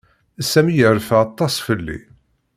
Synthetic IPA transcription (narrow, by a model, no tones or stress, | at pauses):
æsæmijəɾfæɑt̪ˤːɑsfəlːḭ